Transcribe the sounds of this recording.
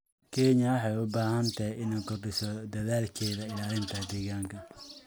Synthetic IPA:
kʰɛɲɐwɑħɑjʊbaːhɐnt̪ʰɐɪnɐkɔrɖɪsɔd̪ɐðaːlkʰɛːðɐɪlaːlɪnt̪ʰɐd̪ɛːɣaːŋkʰɐ

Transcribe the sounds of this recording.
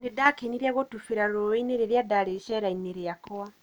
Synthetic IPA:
nedakeniɾiaɣotufiɾaɾɾoweineɾeɾjadaɾeʃɛɾaineɾeakwa

